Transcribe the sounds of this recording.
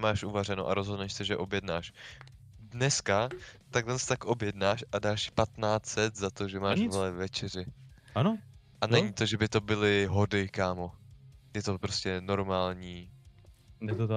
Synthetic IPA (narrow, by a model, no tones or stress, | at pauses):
maːʃʔuvar̝ɛno̰ʔa̰ɾozɦodnɛʃsɛʒɛʔo̞bjɛdnaːʃ | dnɛskat̪aɡlɛnst̪akʔobjɛdnaːʃadaːʃpat̪naːt͡sɛt̪zat̪o̞ʒɛmaːvlɛvɛt͡ʃɛrɪano | ʔanɛɲit̪o̞ʒɛbɪt̪o̞bɪlɪɦodɪkaːmo̞jɛt̪opɾo̞scɛno̞ɾmaːlɲiː | ɛt̪